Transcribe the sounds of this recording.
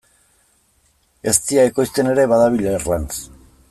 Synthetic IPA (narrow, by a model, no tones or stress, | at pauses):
e̞st̪iaeko̞jst̪e̞ne̞ɾe̞βaðaβ̞iʎerlans